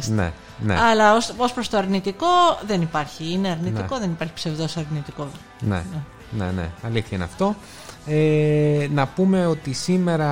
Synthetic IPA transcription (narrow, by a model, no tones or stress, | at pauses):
nḛ | neɐlɐosospɾost̪oɐɾnit̪iko̞ðe̞nipɐɾçiineɐɾniiko̞ðe̞nipɐɾçi̥pse̞vðo̞sɐɾnit̪iko | nḛne | nḛnḛɐliθçɐineɐ̰ft̪o̞ | enɐpume̞o̞t̪isime̞ɾɐ